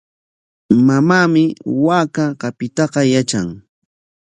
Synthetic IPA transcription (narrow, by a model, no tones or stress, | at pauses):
mamaːmɪwaːkaɢɑpɪt̪ɑqɑjat͡ʃaŋ